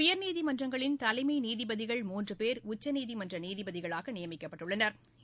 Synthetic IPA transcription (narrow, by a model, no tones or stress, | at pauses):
jɐɾniːðɪmɐndrɐŋɡɐɭɪnt̪ɐlɐɪmɐɪniːðɪbɐðɪɣɐɭmuːndrɯpeːɾʊt͡ʃːɐniːðɪmɐndrɐniːðɪbɐðɪɣɐɭaːɣɐnɪjɐmɪkːɐpːɐʈːɯɭːɐnɐɾ